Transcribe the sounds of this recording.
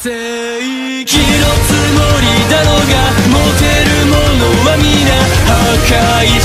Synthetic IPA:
se | i | kʲiɾot͡sɨmoɾʲid̪anoɡamot̪eɾɯmonomamʲinahaka | i

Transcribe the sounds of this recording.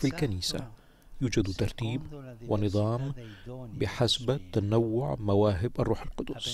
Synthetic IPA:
filkaniːsa̰ | juːd͡ʒad̪t̪ɑɾˤt̪iːbwɪnɨðˤɑːmbɪħasbt̪ːanawːʊʕmawaːɦɪbʔarˤːuːħalqʊd̪ʊsˤ

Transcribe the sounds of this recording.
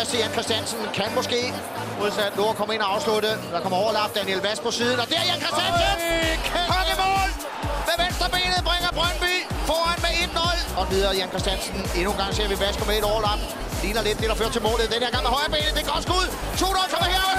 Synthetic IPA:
sdejænkʰʁɛsd̥ænsənkʰænmɔ̽sɡ̥e̝̰ː | moð̰ˠsæd̥nokʰɒ̽mɐe̝nɒɑ̈ʊsludəd̥ɑ̈kʰɒ̽m̰ɐɒʊɐlɑ̈b̥̚d̥ænielʋæsɡ̥pʰɒ̽siːð̞ˠn̩ɒ̽d̥eɐjænkʰʁɛsd̥ænsnkʰɒɡimɔːl | meʋensd̥ʁɐb̥e̝̰ːnəð̩ˠb̥ʁeŋɐb̥ʁɶnb̥yfɒːænmee̝d̥nɔlɒ̽ʋið̞ˠɐjænkʰʁɛsd̥jænsəne̝nuːnɡ̥ɑ̈ŋ̰se̝ɐ̰ʋiʋæsɡ̥əmele̝dɒʊɐlɑ̈b̥̚ | liːnɐled̥ːe̝ɾ̥ɑ̈fø̰ːɐt͡sʰe̝lmo̰ːleð̩ˠd̥enheɐ̥ɑ̈ŋ̰mehɒɪɐb̥e̝̰ːnð̩d̥e̝ɡ̥ɒd̥sɡ̥uð̰ˠ | t͡sʰo̝̰ːnɒlkʰɒmɐheɐ

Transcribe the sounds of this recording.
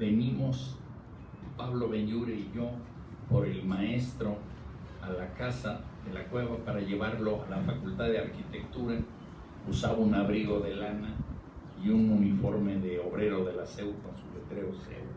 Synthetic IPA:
be̞nimo̞s | paβlo̞βenʎuɾeiʝo | poɾe̞lmae̞st̪ɾo̞ | alakasaðe̞lakwe̞βapaɾaʝe̞βaɾlo̞alafakult̪aðeaɾkit̪ekt̪uɾa | usa̰βaunaβɾiɣo̞ðelana | iununifo̞ɾmeðeoβɾe̞ɾo̞ðe̞lasewpasulet̪ɾeosḛw

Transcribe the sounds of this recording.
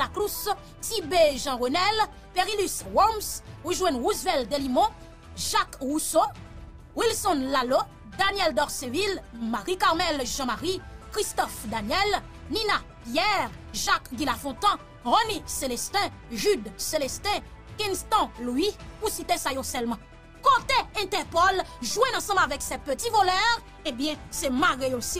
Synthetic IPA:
laklus | t̪ibeʒɑ̃ʁonɛl | peʁilyswɔmsuʒwɛ̃nʁuzvɛld̪elimɔ̃ | ʒakʁuso | wilsɔnlalo | d̪anjɛld̪ɔʁsevilmaʁikaʁmɛlʒɑ̃maʁikʁist̪ɔfd̪anjɛl | ninapjɛʁ | ʒakɡilafɔ̃t̪ɑ̃ | ʁɔniselɛst̪ɛ̃ | ʒyd̪selɛst̪ɛ̃ | kɛ̃nst̪ɑ̃luipusit̪esajosɛlmɑ̃ | kɔ̃t̪eɛ̃t̪ɛpɔlʒwɛ̃ɑ̃sɑ̃blavɛksɛpøt̪ivɔlœʁ | ebjɛ̃sɛmaɡeosi

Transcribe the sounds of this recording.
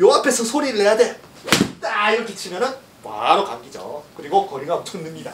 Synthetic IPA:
joɦapʰe̞sʰʌsʰoɾiɾɯɭɦe̞jade̞ | naiɾʌkʰet͡ɕʰimjʌnɯn | wa̰ɾokaŋɡid͡ʑo̰kɯɾiɡokʌɾiɡaʌt͡ɕʰʌnːɯmɲida

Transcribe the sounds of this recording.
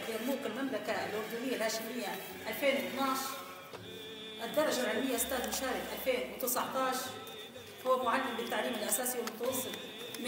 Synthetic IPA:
bɪmuːqɪlmamlakalʔʊɾd̪uːnɪjːalhaːʃɪmɪjːa | ʔalfeːnwɪt̪naʕʃ | ʔɪd̪ːɑɾˤːɑʒalʕɪlmɪjːaʔɪst̪aːd̪mʊʃaːɾɪħʔalfeːnwɪt̪ɪsɑʕt̪ˤɑːʃ | hʊwːamʊʕalːɪmbɪt̪ːaʕliːmɪlʔasaːsiwɪlmʊt̪ɑwɑsˤːɨt̪ˤ | m

